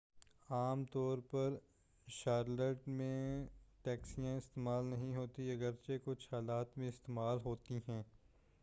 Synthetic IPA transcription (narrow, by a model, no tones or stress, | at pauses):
aːmt̪ɔːɾpɐɾ | ʃaːɾləʈmẽʈɛːksijãɪst̪eːmaːlnɐɦĩɦoːt̪iɐɡəɾt͡ʃekʊt͡ʃʰhaːlaːt̪mẽɪst̪eːmaːlɦoːt̪iɦɛ̃ː